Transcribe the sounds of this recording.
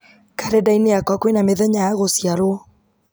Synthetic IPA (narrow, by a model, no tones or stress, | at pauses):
kaɾedaineakwɔkwenameðɛɲajaɣosijaɾo